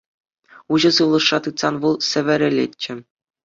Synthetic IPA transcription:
uʑɤ̆sɯʋlˠɤ̆ʂːɑt̪ɯt̪sɑnʋɤlˠsʲɘ̆ʋʲɘ̆ɾʲɘ̆lʲḛtʲt͡ɕːɘ̆

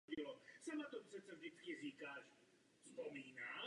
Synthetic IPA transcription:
ɟilɔsamat̪ɔmusɛt͡savɟɛt͡skiziːkaːʃ | spɔmiːna

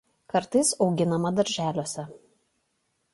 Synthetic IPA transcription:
kɐɾt̪ɐɪsɒʊɡʲɪnɐmɐd̪ɐɾʲʒʲæːlʲoːsʲɛ

